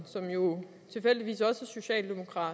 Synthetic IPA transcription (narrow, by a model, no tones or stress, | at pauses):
sɒ̽mjo̝ | t͡sʰe̝lfel̰d̥iʋḭːsɒ̽sæso̝ɕɛ̰ːld̥e̝mo̝kʰʁɑ̰̈ː